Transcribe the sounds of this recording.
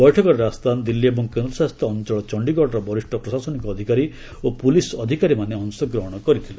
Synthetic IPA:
bɔjʈʰɔkɔɾɾeast̪ʰand̪ilːiebɔŋkend̪ɾɔsast̪ʰɔːnt͡ʃɔɭɔt͡ʃɔɳɖiɡɔɽɔɾɔbɔɾiʂʈʰɔpɾɔsasɔnikɔːd̪ʱikaɾi | opulisɔd̪ʱikaɾimaneɔnsɔɡɾɔɦɔɽ̃ɔkɔɾit̪ʰile

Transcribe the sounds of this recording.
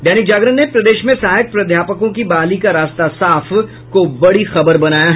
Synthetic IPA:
d̪ɛːnɪk̚d͡ʒaːɡɾənnːepɾɐd̪eːʃmẽsaːɦək̪̚pɾɐd̪ʱjaːpəkõkibaːlikaɾaːst̪asaːf | kobɐɽixɐbəɾbɐnaːjaɦ

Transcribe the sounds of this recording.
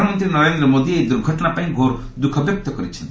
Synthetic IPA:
mɔnt̪ɾinɔɾend̪ɾɔmod̪ied̪uɾɡʱɔʈɔnapaĩɡʱoɾ | d̪ukʰɔbjɔk̚t̪ɔkɔɾit͡ʃʰɔnt̪

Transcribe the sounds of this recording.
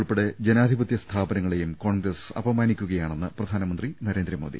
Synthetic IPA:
ɭpeɽed͡ʑenaːd̪ʱibɐt̪jɐst̪ʰaːbɐnɐŋːɐɭe̞jumko̞ːɳɡɾɐsɐ̰bɐmaːnikʲːuɣɐjaːɳenːɨprɐd̪ʱaːnɐmɐnd̪rinɐɾe̞ːnd̪ɾrɐmo̞̰ːd̪ḭ

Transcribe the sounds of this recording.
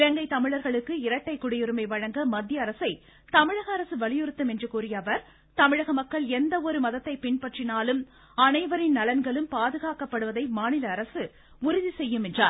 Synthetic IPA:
ɪɾɐŋɡɐɪt̪ɐmɪɻɐɾɣɐɭɯkːɯɪɾɐʈːɐɪkːʊɽɪjɯɾɯmɐɪʋɐɻɐŋɡɐmɐd̪jɐːɾɐsɐɪ | t̪ɐmɪɻɐɣɐːɾɐsɯʋɐɭɪjɯɾɯt̪ːɯmɛndrɯkuːɾɪjɐːʋɐɾ | t̪ɐmɪɻɐɣɐmɐkːɐɭɛnd̪ɐɔɾɯmɐðɐt̪ːɐɪpɪɳpɐʈrɪnaːlɯm | ɐnɐɪʋɐɾɪnnɐlɐnɡɐɭɯmpaːðɯɣaːkɐpːɐɽɯʋɐðɐɪmaːnɪlɐːɾɐsɯ | ʊɾʊðisɛjːɯmɛndra̰ː

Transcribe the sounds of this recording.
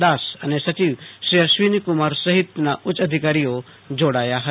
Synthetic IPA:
d̪aːsɐnesɐt͡ʃiːʋʃɾijaʃʋiːnikumaːɾsɐɦit̪naʔʊt͡ʃɐd̪ʱikaːɾijo | d͡ʒoːɽaːjaɦɐ

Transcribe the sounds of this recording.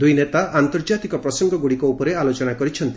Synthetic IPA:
d̪ujnet̪aʔant̪ɔɾd͡ʒat̪ikɔpɾɔsɔŋɡɔɡuɽikɔupɔɾealot͡ʃɔnakɔɾit͡ʃʰɔnt̪i̥

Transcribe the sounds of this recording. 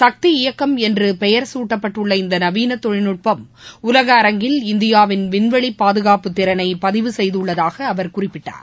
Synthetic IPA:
sɐk̚t̪iɪjɐkːɐmɛndrɯpɛjɐɾsuːʈːɐpːɐʈːɯɭːɐɪnd̪ɐnɐʋiːnɐt̪ːɔɻɪnɯʈ̚pɐm | ʊlɐɣɐːɾɐŋɡɪlɪnd̪ɪjaːʋɪnʋɪnʋɐɭipːaːðɯɣaːpɯt̪ːɪɾɐnɐɪpɐðɪʋɯsɛjðɯɭːɐðaːɣɐːʋɐɾkʊrɪpːɪʈːa̰ːɾ

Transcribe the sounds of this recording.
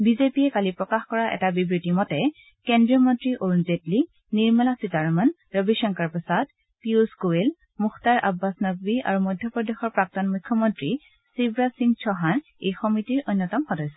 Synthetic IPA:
bizepijɛkalipɹɔkaxkɔɹaʔɛ̰tabibɹitimɔtɛ | kendɹiɔmɔntɹiʔoɹunzetli | niɹmɛlasitaɹɔman | ɹəbiʃɔŋkaɹpɔsad | piuskuel | muxʰtaɹʔa̰bːasnɔɡbia̰ɹumɔjdʱjɔpɔdexɔɹpɹak̚tɔnmujkʰːɔmɔntɹi | sibɹasiŋt͡ʃʰɔɦan | ejxɔmitiɹʔojnːɔtɔmxɔdɔjsɔ

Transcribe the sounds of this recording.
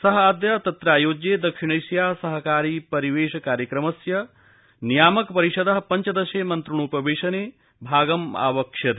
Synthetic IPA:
sɐɦɐaːd̪jɐt̪ɐt̪ɾaːjoːd͡ʒjeːd̪ɐkʃiɳ̃ɐjʃjaːsɐɦɐkaːɾiːpɐɾiʋeːʃɐkaːɾjɐkɾɐmɐsjɐ | nijaːmɐkpɐɾiʃɐd̪ɐɦɐpɐɲt͡ʃɐd̪ɐʃeːmɐnt̪ɾuɳ̃uːpɐʋeːʃɐneː | bʱaːɡɐma̰ːʋɐkʃjɐd̪

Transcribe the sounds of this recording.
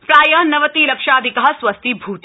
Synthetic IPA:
pɾaːjɐnɐʋɐt̪iːlɐkʃaːd̪ʱikɐɦɐsʋɐst̪ʰibʱuːt̪

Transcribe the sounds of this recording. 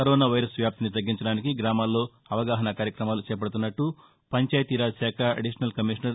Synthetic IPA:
kɐɾoːnaːʋɐjɾɐsʋjaːp̚t̪init̪ɐɡːiɲt͡ʃɐɽaːnikiɡɾaːmaːlːo̞ː | ɐʋɐɡaːɦɐnɐkaːɾjɐkɾɐmaːlut͡ʃɛːjɐp̬ɐɽut̪̬unːɐʈːu | pɐɲt͡ʃaːjɐt̪iɾaːsaːkʰɐɐ̰ɖiʂɐnɐlkɐmiʂɐnɐɾ

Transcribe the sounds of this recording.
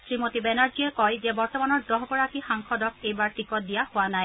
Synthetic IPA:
sɹimotibɛnaɹziɛkɔjzɛbɔɹtɔmanɔɹdɔɦbɔɹakixaŋkʰɔdɔk̚ʰejbaɹʈikɔt̚dijahʊanaj

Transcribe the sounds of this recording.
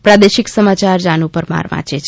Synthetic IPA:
pɾad̪eʃiksəmat͡ʃaɾd͡ʒanupəɾma̰ɾʋa̰t͡ʃet͡ʃʰ

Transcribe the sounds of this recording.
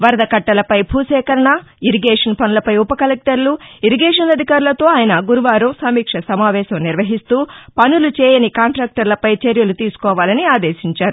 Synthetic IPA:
ʋɐɾɐd̪ɐkɐʈːɐlɐpɐjbʱuːsɛːkɐɾɐɳɐiɾiɡeːʂɐnpɐnulɐpɐjupɐkɐlek̚ʈɐɾluiɾiɡeːʂɐnɐd̪ʱikaːɾulɐt̪o̞ːaːjɐnɐɡuɾuʋaːɾɐmsɐmiːkʂɐsɐmaːʋɛːʃɐmniɾʋɐɦist̪uːpɐnulut͡ʃɛːjɐnikaːɳʈɾaːk̚ʈɐɾlɐpɐjt͡ʃeɾjɐlut̪iːsu̥kɔːʋaːlɐniaːd̪eːʃiɲt͡ʃaːɾu

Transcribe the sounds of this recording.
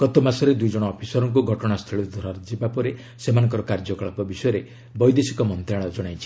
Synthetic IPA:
kɔt̪omasɔɾed̪ujd͡ʒɔɽ̃ɔːpʰisɔɾɔŋk̬uɡʱɔʈɔɽ̃ast̪ʰeɭid̪ʱɔɾaɾd͡ʒibapɔɾe | semanɔŋkɔɾɔkaɾd͡ʒɔkɔɭapɔbisɔjɔɾe | bɔjd̪esikɔmɔnt̪ɾaɭ̃ɔd͡ʒɔɽ̃ajt͡ʃʰi̥

